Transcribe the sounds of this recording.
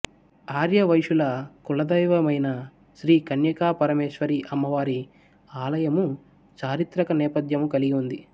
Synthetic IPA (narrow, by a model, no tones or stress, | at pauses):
aːɾjɐʋɐjʂulɐkulɐd̪ɐjʋɐmɐjnɐ | ʃɾiːkɐnjɐkaːpɐɾɐmeːʃʋɐɾiʔɐmːɐʋaːɾi | aːlɐjɐmu | t͡ʃaːɾit̪ɾɐkɐnɛːpɐd̪jɐmukɐliɡiund̪i